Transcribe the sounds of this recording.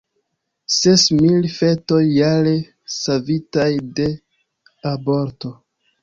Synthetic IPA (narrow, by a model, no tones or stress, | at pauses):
se̞smilfe̞to̞jːale | savitajde̞ | abo̞ɾto̞